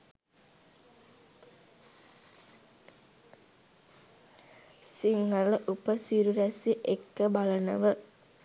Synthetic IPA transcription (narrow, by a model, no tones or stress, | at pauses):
siŋːəlʔupəsiɾuɾæsiʔekːəbalənə̰ʋə